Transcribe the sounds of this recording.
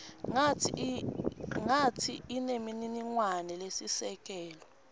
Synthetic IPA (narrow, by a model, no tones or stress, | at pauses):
ŋa | ŋatʰiːnemininiŋwanɛlesisɛk̬ʼɛːlɔ